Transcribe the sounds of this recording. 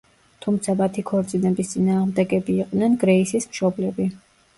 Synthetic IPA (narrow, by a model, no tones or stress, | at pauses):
t̪ʰumt̪sʰamat̪ʰikʰɔɾt̪sʼinɛbist̪sʼinaːʁmd̪ɛɡɛbiːq̪ʼnɛnɡɾɛisismʃɔblɛbi